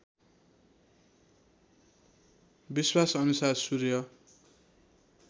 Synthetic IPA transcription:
biswasʌnusarsurjʌ

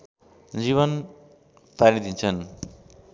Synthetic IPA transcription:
d͡ziβʌn | paɾid̪ʱint͡sʰʌn

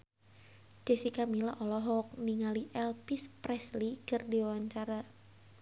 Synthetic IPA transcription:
d͡ʒ̥ɛsikamilaʔɔlɔɦɔk̚niŋaliʔɛlpispɾɛslikɨrdiwawaɲt͡ʃaɾa

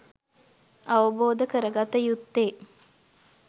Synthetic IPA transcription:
ɐʋəboːd̪əkəɾəɡat̪əjut̪ːeː

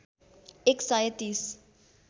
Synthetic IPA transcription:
ɛksajtis

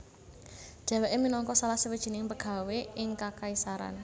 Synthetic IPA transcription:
ʒ̥ɛ̤wɛʔeminɔŋkɔsalahsəwid̥ʒ̥i̤nɪŋpəɡ̥a̤weʔɪŋkakaisaɾa̰n

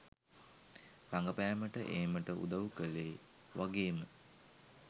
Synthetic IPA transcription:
ɾaŋɡəpæːməʈəʔeːməʈəʔṵd̪aʋukəleː | ʋʔaɡeːmə

